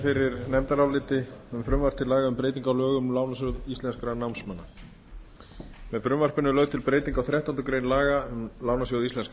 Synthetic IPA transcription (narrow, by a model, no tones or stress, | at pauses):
fɪɾɪɾnɛmt̪aɾawlɪːt̪ɪʏmfɾʏmvar̥t̪ʰɪlaːɣaʏmpɾeːjt̪iŋkawlœːɣʏmlawnasjʏwðisɛnskʏɾanawnsmanːa | mɛðfɾʏmvar̥pɪnʏlœɣðt̪ʰɪlpɾeːjt̪iŋkawθɾjaht̪ant̪ʏkɾeːjnlaːɣaʏmlaːwnasɔwðist̪ɛnsk